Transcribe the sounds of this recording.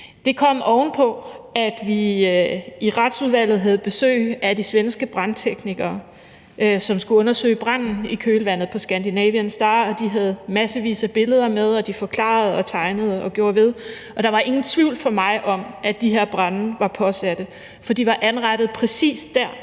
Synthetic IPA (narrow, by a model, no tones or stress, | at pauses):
d̥e̝kʰɒ̽m̰ɒʊnpʰɒ̽æd̥ʋi | iʁɑ̈d̥suð̞ˠʋæl̰ð̩ˠɦæð̞̩ˠb̥e̝sø̰ːɪæd̥isʋensɡ̥əb̥ʁɑ̈nt͡sʰeɡ̥niɡ̥ɐː | ʔøsɒ̽msɡ̥uɔ̽nɐsø̰ːɪb̥ʁɑn̰n̩ikʰøːləʋæn̰ð̩ˠpʰɒ̽sɡ̥ænd̥inɛ̰ːʋiənsd̥ɑ̈ːɒ̽d̥iɦæð̞̩ˠmæsəʋḭːsæb̥e̝ləð̞ˠɐmeð̞ˠɒ̽d̥ifɒ̽kʰlɑ̰̈ːð̞̩ˠɒ̽t͡sʰɑ̈ɪnəð̞̩ˠəɒ̽ɡ̥jo̝ːɐʋe̝ð̞ˠ | ʔɒ̽d̥ɑ̈ʋɑ̈ʔe̝ŋn̩t͡sʰʋiʊ̰lfɒ̽mɑ̈ɪʔɒ̽mʔæd̥iɦeɐ̰b̥ʁɑnn̩ʋɑ̈pʰɒ̽sæd̥ə | fɒd̥iʋɑ̈ʔænʁɑ̈d̥əð̞̩ˠpʰʁɛsḭːsd̥æɐ̰